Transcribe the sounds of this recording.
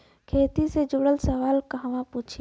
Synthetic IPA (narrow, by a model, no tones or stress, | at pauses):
kʰeːt̪ised͡ʒʊɽəlsəʋaːlkaɦɐʋãpuːt͡ʃʰ